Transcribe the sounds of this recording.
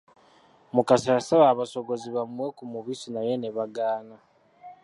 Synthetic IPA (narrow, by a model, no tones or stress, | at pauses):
mukasasaβaːβaso̞ɡo̞ziβamwe̞kumuβisinaje̞neβaɡaːna